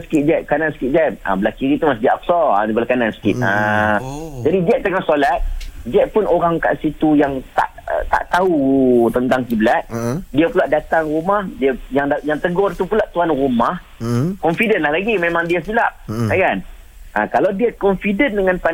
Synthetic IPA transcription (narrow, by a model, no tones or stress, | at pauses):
sə̥kɪt̪̚d͡ʒɛʔ̚kanansə̥kit̪̚d͡ʒɛa̰bəlahkiɾit̪umasidiaʔak̚sɔa̰dibalakanansə̥kɪ̰t̪̚a | d͡ʒadid͡ʒɛʔ̚t̪əŋaʔsolat̪̚d͡ʒɛʔ̪̚pʊnʔoɾaŋka̰ʔsit̪ujaŋt̪a̰ʔə̰t̪a̰ʔt̪aut̪ənt̪aŋkiblat̪̚diapulaʔdat̪aŋrumahdiajaŋdajaŋt̪əɡʊrt̪upulaʔt̪uanrumah | kɔnfidənlahlaɡimẽmãŋdiasilaʔ̚akan | ʔakalawdiakɔnfidəndəŋãnpan